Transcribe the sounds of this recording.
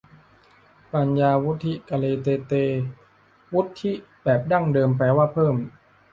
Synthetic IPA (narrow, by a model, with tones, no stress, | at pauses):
pa˧njaː˧wu˦˥t̪ʰːi˦˥ka˧leː˧t̪eː˧t̪eː˧ | wu˦˥t̪ʰːi˦˥bɛː˨˩p̚da˥˩ŋdɤː˧mpɾɛː˧waː˥˩pʰɤː˥˩m